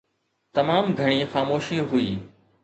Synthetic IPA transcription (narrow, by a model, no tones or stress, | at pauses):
t̪ɐmaːmɡʱɐɽ̃ixaːmoːʃiɦʊiː